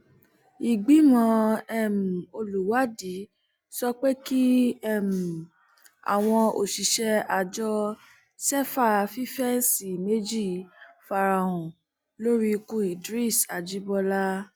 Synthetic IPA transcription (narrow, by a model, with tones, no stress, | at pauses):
i˨ɡ͡bi˨˦mɔ̃˧˦ɛ˦˨m̩˨o˧lu˨wa˨˦di˨˦ | sɔ˦k͡pe˦ki˦ɛ˦˨m̩˨ | a̰˨w̃ɔ̃˧o˨ʃi˨ʃɛ˧a˧˨d͡ʒɔ˧ | sɛ˦fa˦˨fi˦fɛ˦si˨me˦d͡ʒi˦˨fa˧ɾa˨˧˨ũ˨ | lo˦ɾi˦˧kũ˦i˨dɾi˦˨sa˨d͡ʒi˦bɔ˧la˦